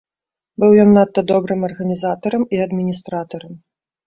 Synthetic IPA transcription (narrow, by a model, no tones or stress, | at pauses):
bɨwjɔnːat̪ːɐd̪ɔbɾɨmɐrɣɐnʲizat̪ɐɾɐmiɐd̪mʲinʲist̪ɾat̪ɐɾɐm